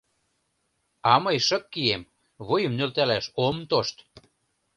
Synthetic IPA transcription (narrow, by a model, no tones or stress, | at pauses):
ɑməjʃə̆kːiem | βojə̆mnølt̪ælæʃomt̪oʃt̪